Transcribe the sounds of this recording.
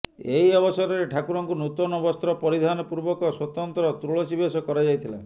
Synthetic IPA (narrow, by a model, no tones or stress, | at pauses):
eiɔbɔsɔɾɔɾeʈʰakuɾɔŋkunut̪ɔnɔbɔst̪ɾɔpɔɾid̪ʱanɔpuɾbɔkɔswɔt̪ɔnt̪ɾɔt̪ɾuɭot͡ʃibesɔkɔɾad͡ʒajt̪ʰilḛ